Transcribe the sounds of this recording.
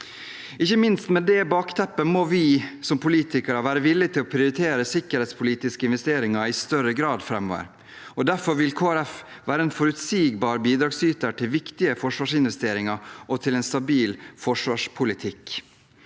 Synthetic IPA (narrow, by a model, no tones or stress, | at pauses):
ɪçːəmɪnst̪mɛd̪ɛbɑːkt̪ʰɛpːəmɔʋɪsɔmpʰʊliːt̪ɪkæɾɑʋæːɾəʋɪlːɪt̪ʰɪlɔpʰɾɪʊɾɪt̪ʰeːɾəsɪkːəɾhɛːt̪spʰʊliːt̪ɪskəɪnʋɛst̪eːɾɪŋɑɪst̪œɾəɡɾɑːd̪fɾɛmɔʋə̰ɾ | ɔd̪æɾfɔɾʋɪlkʰoːæɾɛf | ʋæːɾəɛnfɔɾʉt̪siːɡbɑːɾbiːd̪ɾɑːɡsyːt̪əʈʰɪlʋɪkt̪ɪəfɔʂʋɑːʂɪnʋɛst̪eːɾɪŋɑʔɔt̪ʰɪlɛnst̪ɑbiːlfɔʂʋɑːʂpʰʊlɪt̪ʰɪk